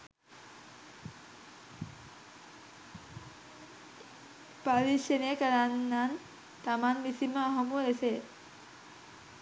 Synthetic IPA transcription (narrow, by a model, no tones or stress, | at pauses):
paɾiʃenejəkəɾanːan | t̪amanmisiməaɦɐmuese